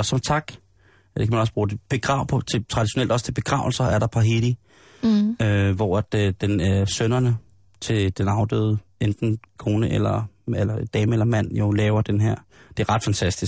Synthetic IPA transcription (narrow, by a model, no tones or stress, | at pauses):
ɒsɒ̽mt͡sʰɑ̈ɡ̥ | d̥ekʰæmænɒs̬b̥ʁuːd̥eb̥e̝ɡ̥ʁɑ̈ʊ̰pʰɒt͡sʰe̝t͡sʰʁɑ̈d̥iɕo̝nel̰d̥ɒ̽st͡sʰe̝b̥e̝ɡ̥ʁɑ̰̈ʊ̰l̩sɐæɐɾɑ̈pʰɑ̈ɦed̥i | øʋɒæd̥d̥enæɐsønɐnə | t͡sʰe̝d̥enɑ̈ʊd̥øːð̩ˠend̥n̩kʰo̝ːnəʔelɐelɐed̥ɛːməelɐmæn̰jo̝lɛːʊɐd̥enɦeɐ̰d̥e̝æɐʁɑ̈d̥fænt͡sʰæsd̥is